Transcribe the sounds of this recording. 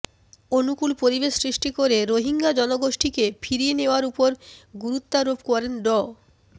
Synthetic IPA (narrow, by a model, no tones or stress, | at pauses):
onukulpoɾibeʃsɾiʃʈikoɾeɾoɦiŋɡad͡ʑɔnoɡoʃʈikefʰiɾieneoaɾupoɾɡuɾut̪ːaɾobkɔɾenɖɔ